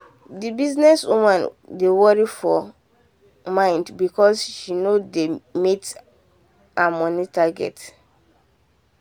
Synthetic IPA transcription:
dibiznɛswumãndewɔɹifɔ | mãɪ̃ndbikɔsʃinodemet | amɔnitaɡɛ̰t

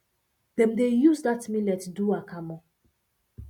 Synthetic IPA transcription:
dɛ̃mdejuzdatmilɛtduakamɔ̃

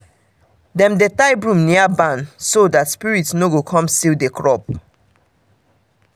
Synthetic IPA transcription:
dɛ̃mdetaɪbɹũmniabãnsodatspiɹitsnoɡokʰɔ̃mstildekɹɔp̚

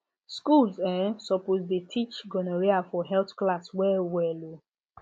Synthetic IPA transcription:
skulzɛsɔpozdetʰit͡ʃɡɔnoɹiafɔɦɛltklaswɛwɛlo

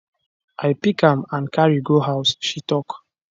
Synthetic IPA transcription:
ʔajpikãmãnkʰaɹiɡohaʊsʃitɔk

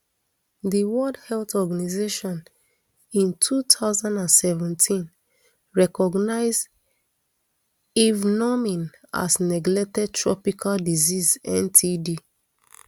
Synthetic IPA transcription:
diwɔdhɛltɔɡanizeʃɔ̃n | ĩntʰutʰaʊzãndãnsɛvɛ̃ntʰĩn | ɹɛkɔɡnaɪzd | ivnɔmĩn | a̰snɛɡlɛk̚tɛd̚tʰɹɔpikʰaldizizɛ̰̃ntʰidi

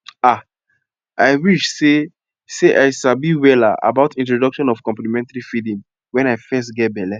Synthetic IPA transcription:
a | aɪwiʃse | seʔaɪsabiwɛla̰ʔa̰baʊtĩntɹɔdɔkʃɔ̃nɔv̥kɔ̃mplimɛ̃ntaɹifidĩm | wɛ̃naɪfɛs̬tɡɛt̚bɛlɛ

